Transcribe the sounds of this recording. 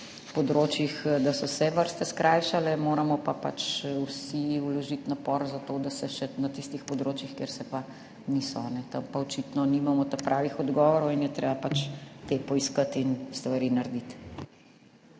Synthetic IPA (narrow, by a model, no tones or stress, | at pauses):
pɔd̪ɾoːt͡ʃjixd̪asɔsɛʋəɾst̪ɛskɾʔaːjʃalɛmoːɾamɔpapat͡ʃwsiulɔʒit̪napɔɾzat̪oːd̪asɛʃɛnat̪ist̪ixpɔd̪ɾot͡ʃjixkeːɾsɛpa | nisɔnɛt̪ɐmpaɔt͡ʃit̪nɔnimamɔt̪apɾʔaːʋixɔd̪ɡɔʋɔɾɔwinjɛt̪ɾeːbapat͡ʃt̪epɔiskat̪inst̪ʋaɾinaɾd̪it̪